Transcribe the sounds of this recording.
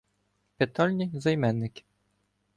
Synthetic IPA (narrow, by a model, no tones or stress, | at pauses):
pɪt̪ɔlʲnʲizɐjmɛnːɪkʲɪ̥